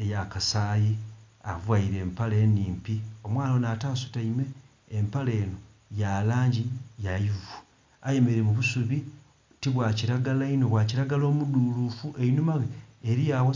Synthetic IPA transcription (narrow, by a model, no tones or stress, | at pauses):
ejakasaːji | a̰vwaiɾe̞ːmpale̞ːniːmpio̞mwaːnonataːsu̥taime̞ː | mpale̞ːno | jalaːɲɟijajivu | aje̞me̞ɾemuβusuβi | tiβwaːciɾaɡalaino̞βwaːciɾaɡalo̞ːmudulufuʔeinumaɣeːɾijawo